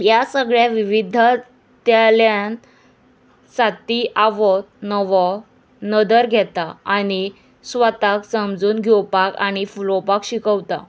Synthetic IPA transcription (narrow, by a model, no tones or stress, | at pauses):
jasəɡɭjaʋiʋid̪ʱa | t̪jaljan | sat̪iʔaʋɔt̪nəʋɔ | nəd̪əɾɡʱɛt̪aaɽ̃i | sʋət̪aksəmd͡zuːnɡʱɔwpaka̰ɽ̃ifulɔpakɕikəwt̪a̰